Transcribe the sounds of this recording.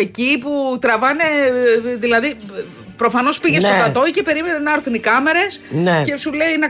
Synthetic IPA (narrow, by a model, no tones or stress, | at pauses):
eciput̪ɾɐvɐne̞ðilɐði | pɾo̞fɐno̞spiʝest̪ot̪ɐt̪o̞icepe̞ɾimenenɐɐɾθunikɐme̞ɾe̞snece̞suleine